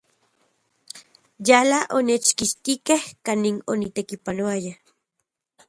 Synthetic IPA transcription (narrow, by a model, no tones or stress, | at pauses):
jalaʔonet͡ʃkiʃt̪ikehkaninonit̪ekipanoaja